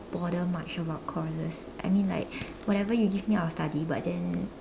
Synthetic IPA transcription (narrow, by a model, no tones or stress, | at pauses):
b̥ɔɾəmat͡ʃɔbaʊt̚kʰɔzəs | ʔa̰ɪmĩnla̰ɪk̚ | wɔtɛvəjuɡivmiawəstadiba̰t̚dɛ̃n